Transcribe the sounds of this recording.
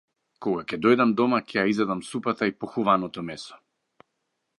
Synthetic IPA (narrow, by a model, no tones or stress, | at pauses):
kɔɡakʲɛd̪ɔjd̪amd̪ɔmakʰɛjaizɛd̪amsupat̪aipɔxuvanɔt̪ɔmɛsɔ̥